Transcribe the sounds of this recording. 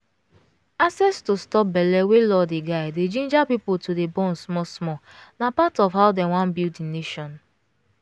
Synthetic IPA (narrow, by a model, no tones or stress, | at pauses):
asɛstostɔp̚bɛlɛwelɔdeɡaɪded͡ʒẽnd͡ʒapipʊltʰudebɔ̃n̩smɔsmɔ | napatɔvɦaʊdewãnbilineʃɔn